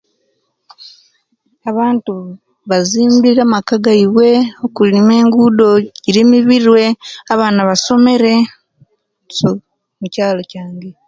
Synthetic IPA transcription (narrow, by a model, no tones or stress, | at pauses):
aβaːntu | βaziːmbiɾamakaɡaiβwe̞okulime̞ːŋɡudo̞ɟiɾimiβiɾwe̞aβaːnaβaso̞me̞ɾe̞ | so | mucaːlocaːŋɡe̞